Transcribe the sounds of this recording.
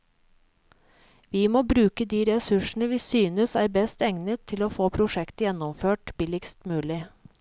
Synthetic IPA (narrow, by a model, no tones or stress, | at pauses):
ʋiːmoːbɾʉːkəd̪iːɾɛsʉʂn̩əʋɪːsyːnəsæːɾbɛst̪ɛŋnət̪ʰːɪloːfoːpʰɾʊʂɛkt̪əjɛnːɔmføːʈbɪlɪkst̪mʉːlɪ